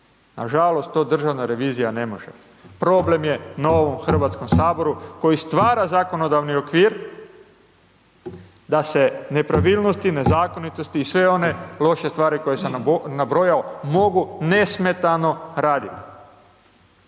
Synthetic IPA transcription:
na̰ʒalo̞st̪ːo̞ːd̪r̩ʒaʋnaɾe̞ʋiːzijane̞mo̞ʒḛ | pɾo̞ble̞mje̞naoʋomxr̩ʋaːt̪sko̞msaːbo̞ɾuko̞jist̪ʋaːɾazako̞no̞d̪aʋnio̞kʋiːɾ | d̪ase̞ne̞pɾaʋilnost̪ine̞zaːko̞nit̪o̞st̪iːsʋe̞o̞ne̞lˠo̞ʃe̞st̪ʋaːɾiko̞jesennabɾojaomo̞ɡune̞sme̞t̪ano̞ɾaːd̪it̪i̥

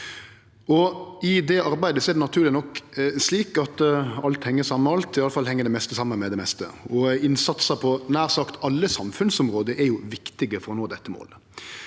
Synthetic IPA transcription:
ɔɪd̪ɛɑɾbæɪd̪əsɔɛɾɖ̪ɛnɑt̪ʰʉːɾlɪnɔkːsliːkɑt̪ɑlt̪hɛŋːəsɑmːəɑlt̪ɪɑləfɑlːhɛŋːəɖ̪ɛmɛst̪əsɑmːənmɛd̪ɛmɛst̪ə̰ɔɪnsɑt̪səɾpʰɔnæːɾsɑkt̪ɑlːəsɑmfʉnsɔmʁoːd̪əɾʔɛɾjʊʋɪkt̪ɪɡəfɔɾɔnoːd̪ɛt̪ːəmo̰ːl

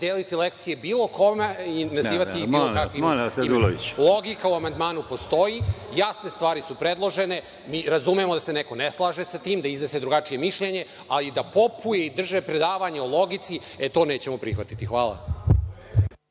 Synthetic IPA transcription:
d̪eːlit̪ilek̚t̪sijebiːlˠo̞ko̞meinaziːʋat̪iiilokakʋisloilˠo̞ɡikauamand̪maːnupo̞st̪o̞jijasne̞st̪ʋaːɾisupɾe̞d̪lˠo̞ʒe̞ne̞ | miːɾazumemod̪ase̞neko̞neslˠaːʒesat̪iːmd̪aiznese̞d̪ɾuɡat͡ʂije̞miʃʎeɲe̞ | alid̪apo̞pʰuje̞id̪r̩ʒe̞pɾe̞d̪aːʋaɲeolˠo̞ɡit̪si | et̪o̞ːne̞ːt͡ɕe̞mo̞pɾixʋat̪it̪ixʋaːlˠa̰

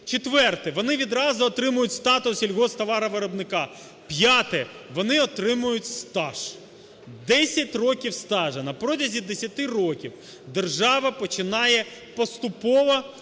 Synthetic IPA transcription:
t͡ʃet̪ʋɛrt̪ɪʋɔnɪʋʲid̪ɾɑzʊːt̪ɾɪmʊjʊtʲst̪ɑt̪ʊsilʲɦɔst̪ɐʋɑɾɐʋɪɾɔbnɪkɑ | pjat̪ɛʋɔnɪɔt̪ɾɪmʊjʊtʲst̪ɑʃ | d̪ɛsʲɐtʲrɔkʲiwst̪ɑʒɐnɐpɾɔtʲɐzʲid̪esʲɐt̪ɪrɔkʲiw | d̪erʒɑʋɐpɔt͡ʃɪnɑjɛpɔst̪ʊpɔʋɐ

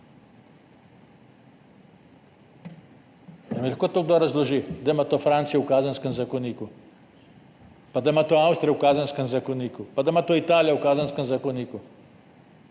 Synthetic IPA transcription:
amɛlʲaxkot̪oɡ̚d̪oɾazloʒid̪amat̪ofɾant̪sijɛukazanskemzakoniku | pad̪amat̪oawst̪ɾijɛukazanskemzakoniːkupad̪amat̪oit̪aːljaukazanskemzakoniːku

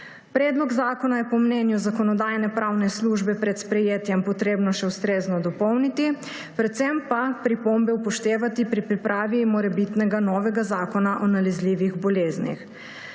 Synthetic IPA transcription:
pɾɛːd̪lɔɡzaːkɔnajɛpɔmnɛnjuzakɔnɔd̪aːjnɛpɾawnɛsluːʒbɛpɾɛt̪spɾɛjeːt̪jɛmpɔt̪ɾeːbnɔʃɛwst̪ɾeːznɔd̪ɔpɔwnit̪i | pɾɛt̪sɛmpapɾipombɛupɔʃt̪eːʋat̪ipɾipɾipɾʔaːʋimɔɾɛbit̪nɛɡanɔːʋɛɡazaːkɔnaʔɔnalɛzliːʋiɣbɔleːznḭx

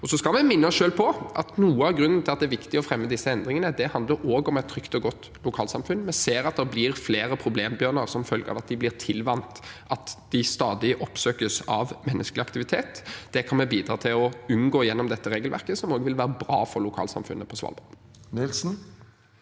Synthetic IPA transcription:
ɔsɔskɑlmɛmɪnːəɔsʃøːlpʰɔʔɑt̪nuːəɑʋɡɾʉnːən̩t̪ʰɪlɑt̪d̪ɛæɾʋɪkt̪ɪɔfɾɛmːəd̪ɪsːəɛnd̪ɾɪŋənəd̪ɛhɑnd̪ləɾoːɡɔmɛt̪ʰːɾʏkt̪ɔɡɔt̪ː | lʊkʰɑːlsɑmfʉnmɛseːɾɑt̪̚d̪ɛʁblɪɾfleːɾəpʰɾʊbleːmbjœːnəɾsɔmfœlɡə̰ɑ̰ʋɑt̪̚d̪ɪblɪʁt̪ʰɪlʋɑnt̪ʔɑt̪d̪̥ɪst̪ɑːd̪ɪʔɔpsøːkəsɑʋmɛnːʔəsklɪɑkt̪ɪʋɪt̪ʰeːt̪d̪̥ɛkʰɑnmɛbiːd̪ɾɑ̰ːt̪ʰɪlɔʉnɡoːɪjɛnːɔmd̪ɛt̪ːəɾeːɡəlʋæ̰ʁkəsɔmoːɡəʋɪlʋæːɾəbɾɑ̰ːfɔɾlʊkʰɑ̰ːlsɑ̰mfʉnːəpʰɔsʋɑ̰lbɑ̰ | nɪlsn̩

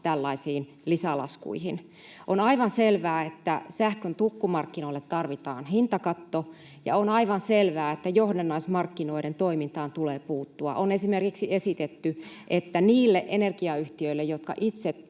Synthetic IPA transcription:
t̪ælːɑisiːn | lisælɑ̰skṵihin | ʔonɑiʋɑnselʋæːet̪ːæsæhkønt̪ukːumɑrkːinoilːet̪t̪ɑrʋit̪ɑ̰ːnhint̪ɑkɑt̪ːo | jɑ̰onɑiʋɑnselʋæːet̪ːæjohdenːɑismɑrkːinoiɾent̪oimint̪ɑːnt̪uleːpuːt̪ːuɑ̰ʔonesimerkiksiesit̪et̪ːyʔet̪ːæniːlːeʔenerɡiɑyht̪iøilːejot̪kɑ̰ʔit̪se

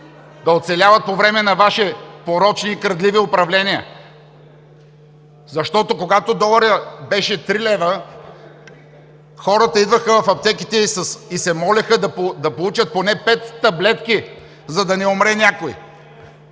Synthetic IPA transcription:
d̪ɐot̪sɛlʲavɐt̪̚povɾɛmɛnɐvaʃipoɾɔt͡ʃniːkɾɐd̪liviopɾɐvlɛniə̰ | zɐʃt̪ɔt̪okoɡat̪od̪ɔlˠɐɾəbɛʃɛt̪ɾilɛvə | xɔɾət̪əid̪vəxəvɐfɐp̚t̪ɛki̥t̪ɛsəsisɛmɔlɛxəd̪ɐpod̪ɐpolˠut͡ʃɐt̪̚ponɛpɛt̪ːɐblɛt̪ki | zɐd̪ɐnɛomɾɛnʲakoḭ

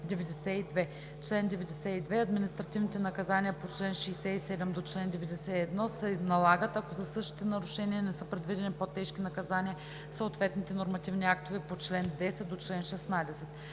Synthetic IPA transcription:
d̪ɛvɛd̪ɛsɛid̪vɛ | t͡ʃlɛnd̪ɛvɛd̪ɛsɛid̪vɛɐd̪minʲist̪ɾɐt̪ivnit̪ɛnɐkɐzaniəpot͡ʃlɛnʃɛjsɛisɛd̪ɛmd̪ot͡ʃlɛnd̪ɛvɛd̪ɛsɛiɛd̪nɔsɛnɐlˠaɡət̪ɐkozɐsɤʃt̪i̥t̪ɛnɐɾuʃɛniənɛsɤpɾɛd̪vid̪ɛnipot̪ːɛʃk̟inɐkɐzanʲiə | səot̪vɛt̪nit̪ɛnoɾmɐt̪ivniak̚t̪ovɛpot͡ʃlɛnd̪ɛsɛt̪̚d̪ot͡ʃlɛnʃɛsnad̪ɛsɛt̪

